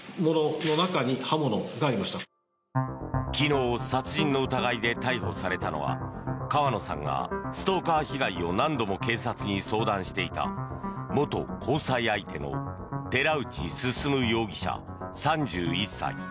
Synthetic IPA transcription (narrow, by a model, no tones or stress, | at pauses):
mo̞nono̞nakaɲ̟ihamonoɡaːɾʲimaɕi̥t̪a | kʲino̞ːsat͡sɨĩnːo̞ɯ̟t̪aɡaid̪e̞t̪aiɦo̞saɾe̞t̪ano̞̰βa̰kaβano̞sã̰ŋɡa̰sɨ̥t̪o̞ːkaːçiɡaio̞nãnd̪o̞mo̞ke̞ːsat͡sɨɲ̟iso̞ːd̪ãɰ̃ɕi̥t̪e̞it̪a̰mo̞t̪o̞kʰo̞ːsaiait̪e̞no̞̰ | d̪̥e̞ɾaɯ̟t͡ɕisɨsɨmɯ̟jo̞ːɡʲiɕa̰ | sãɲd͡ʑɨːisːa̰ḭ